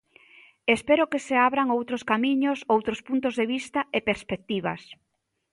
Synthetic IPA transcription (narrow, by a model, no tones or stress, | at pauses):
espɛɾʊkeseaβɾaŋowt̪ɾoskamiɲosowt̪ɾospunt̪̬ozðeβist̪ɐepeɾspek̚t̪iβ̞ɐ̰s